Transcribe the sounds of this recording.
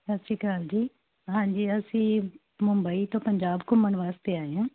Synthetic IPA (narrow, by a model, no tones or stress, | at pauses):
sɐʃʰikaːld͡ʒiː | ɦãːd͡ʒiːɐsĩː | mʊ̃mbəit̪õːpəɲd͡ʒaːbkʊmːəɳ̃ʋaːst̪eaːɦejãː